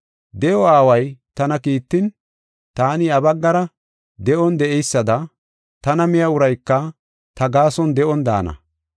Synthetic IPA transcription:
d̪ɛjɔaːwɐjt̪ɐnɐkiːt̪ːɪn | t̪aːnɪɐbɐɡːɐɾɐ | d̪ɛʔɔnd̪ɛʔɛjsːɐd̪ɐ | t̪ɐnɐmɪjɐʊɾɐjkːɐ | t̪ɐɡaːsɔnd̪ɛʔɔnd̪a̰ːnɐ̰

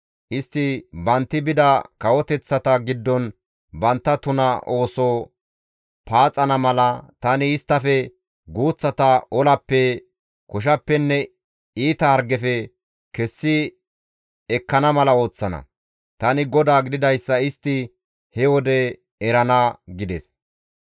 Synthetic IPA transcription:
ʔɪst̪ːɪbɐnt̪ːɪbɪd̪ɐkɐwɔt̪ɛt͡sːɐt̪ɐɡɪd̪ːɔn | bɐnt̪ːɐt̪ʊnɐʔo̞ːsɔ | paːt͡sʼːɐnɐmɐlɐt̪ɐnɪːst̪ːɐfɛ | ɡuːt͡sːɐt̪ɐʔɔlɐpːɛ | kɔʃ̬ɐpːɛnːɛ | iːt̪ɐhɐɾɡɛfɛ | kɛsːɪ | ɛkːɐnɐmɐlɐo̞ːt͡sːɐnɐ̰ | t̪ɐnɪɡɔd̪aːɡɪd̪ɪd̪ɐjsːɐɪst̪ːɪ | hɛwɔd̪ɛ | ɛɾɐnɐɡɪd̪ɛs

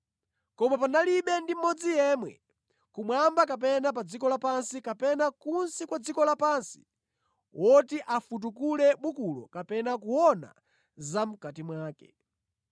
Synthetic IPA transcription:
kɔmapanaliɓɛndim̩mɔd͡zijɛːmwɛ̰ | kumwambak̬ap̬ɛnap̬ad͡zikɔlapansikapɛnakunsikwad͡zikɔlapansi̥ | wʔɔtiʔafut̬ukulɛɓukulɔ̰kapɛnakuwɔna̰ | zam̩katimwaːkɛ̰

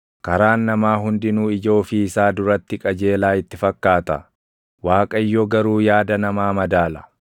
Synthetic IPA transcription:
kɐɾaːnːɐmaːɦʊnd̪ɪnuːɪd͡ʒo̞ːfɪːsaːd̪ʊɾɐt̪ːɪkʼɐd͡ʒe̞ːlaːɪt̪ːɪfɐkːaːt̪ɐ̰ | waːkʼɐɪjːɔɡɐɾuːjaːd̪ɐnɐmaːmɐd̪aːlɐ̥

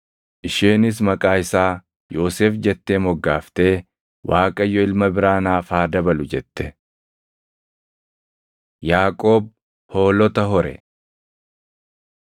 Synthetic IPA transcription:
ʔɪʃeːnɪs̬mɐkʼaːɪsaː | jo̞ːseːfd͡ʒɛt̪ːe̞ːmɔɡːaːft̪e̞ː | wʔaːkʼɐjːɔɪlmɐbɪɾaːnaːfaːd̪ɐbɐlʊd͡ʒɛt̪ːɛ̥ | jaːkʼo̞ːb̚ | ho̞ːlɔt̪ɐɦɔɾɛ̰

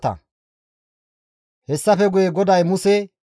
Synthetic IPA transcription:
t̪ːɐ̰ | hɛsːɐfɛɡʊjeɡɔd̪ɐjmʊsɛ

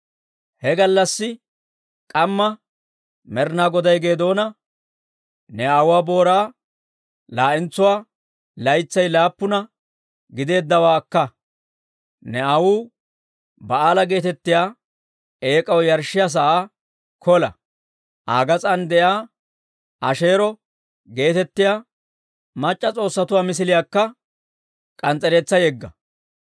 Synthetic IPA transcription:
hɛɡɐlːɐsːɪ | kʼɐmːɐ | mɛɾnaːɡɔd̪ɐjɡe̞ːd̪o̞ːnɐ | nɛɐwʊwaːbo̞ːɾaː | laːʔɪnt͡sːʊwaː | lɐjt͡sːɐjlaːpːʊnɐ | ɡɪd̪e̞ːd̪ːɐwaːkːɐ | nɛɐwuː | bɐaːlɐɡe̞ːt̪ɛt̪ːɪjaː | e̞ːkʼɐwjɐɾʃɪjas̬ɐʔaː | kʰɔlɐ̰ | ʔaːɡɐt͡sʼɐnd̪ɛjaː | ʔɐ̰ʃe̞ːɾɔ | ɡe̞ːt̪ɛt̪ːɪjaː | mɐt͡ʃʼːɐt͡sʼo̞ːsːɐt̪ʊwaːmɪs̬ɪlɪjaːkːɐ | kʼɐnt͡sʼːɛɾe̞ːt͡sːɐjɛɡːɐ

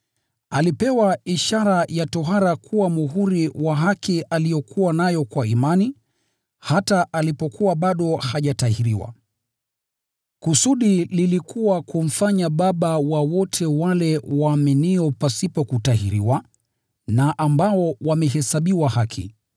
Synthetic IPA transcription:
alipɛwaiʃaɾajatɔɦaɾakʰuwamuɦuɾiwaɦakiʔalijɔkʰuwanajɔkwaimani | hataʔalipɔkʰuwaɓaɗɔhaʄatahiɾiwa̰ | kusuɗililikuwakum̩faɲaɓaɓawawɔtʰɛwalɛwaːminiɔpasipɔkutaɦiɾiwa | naʔambaɔwamɛɦɛsaɓiwahakʰḭ

